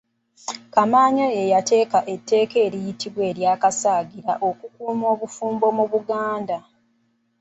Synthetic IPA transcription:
kamaːɲojejate̞ːkaʔe̞tːe̞ːke̞ːɾijitiβwe̞ːɾjaːkasaːɡiɾa̰ʔo̞kukuːmo̞ːβufuːmbo̞muβuɡaːnda

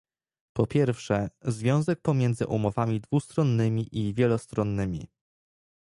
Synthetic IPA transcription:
pɔpʲjɛɾfʂɛzvʲjɔ̃w̃zɛk̚pɔmʲjɛnd̪zɘ̰ʔumɔvamʲid̪vust̪ɾɔnːɘmʲiʔivʲjɛlɔst̪ɾɔnːɘmʲḭ

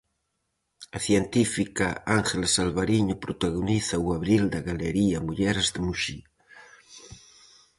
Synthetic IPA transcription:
aθjent̪ifikaaŋxelasalβaɾiɲopɾot̪aɣoniθauaβɾild̪aɣaleɾiamuʎɛɾzðemuʃi

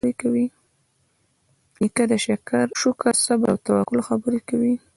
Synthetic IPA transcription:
ɾekawi | ikad̪aʃakaɾʃukassaba̰wt̪awakʊlxabəɾekawi

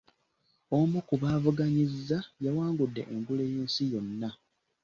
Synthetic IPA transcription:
omukuβaːvuɡaɲizːajawaːŋɡudːe̞̰ʔeŋɡule̞ːjeːnsijo̞nːa

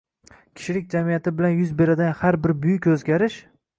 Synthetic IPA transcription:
kʲʰɪ̥ʃɪlɪk̚ʲd͡ʒamijat̪ʰɪbɪlanjʊzbe̞ɾad̪anhaɾbɪɾbʊjɪkʲɵzɡʲaɾɪʃ

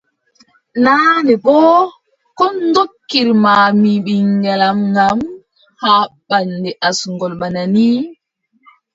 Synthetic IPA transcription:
naːnɛbɔ | kɔndokːiɾmaːmiɓiŋɡalamɡam | haːɓandɛʔasuŋɡɔlɓanani

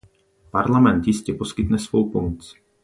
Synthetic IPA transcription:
paɾlamɛnt̪jɪscɛposkɪt̪nɛsvowpɔmɔt͡s

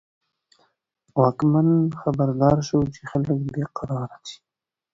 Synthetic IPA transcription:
wɑkmanxabaɾd̪ɑɾʃəwt͡ʃexaləkd̪eqɑɾɑɾat͡ʃi̥

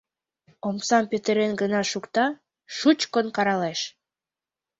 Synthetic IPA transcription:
omsɑmpøt̪əɾenɡənɑʃukt̪ɑ | ʃut͡ɕkonkɑɾɑleʃ

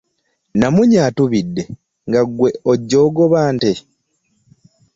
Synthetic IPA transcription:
namuɲaːtuβidːe̞ | ŋɡaɡwe̞oɟːo̞ːɡo̞βaːnte

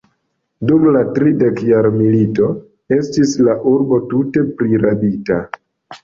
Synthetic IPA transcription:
dumlatɾide̞kjaɾmilito̞ | e̞stislaʔuɾbo̞tute̞pɾiɾabita

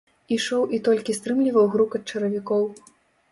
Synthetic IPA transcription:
iʂɔwʔit̪ɔlʲkʲist̪ɾɨmlʲivɐwɣɾukɐt̪̚t͡ʂɐɾɐvʲikɔw

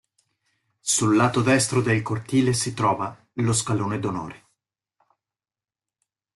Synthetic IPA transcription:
sulːaːt̪od̪ɛst̪ɾod̪elkort̪iːlesit̪ɾɔːva | los̬kaloːned̪ono̰ːɾe

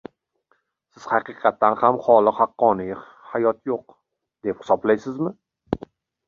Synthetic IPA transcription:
sɪz̥hɑqɨqʰɑt̪ʰːanhamχɒlˠɨhɑqːɒnɪj | hajɒt̪joq | d̪e̞phɪ̥sɒblajsɪzmɪ

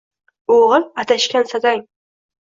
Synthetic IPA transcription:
oʁɨlat̪ʰaʃkʲansad̪aŋ

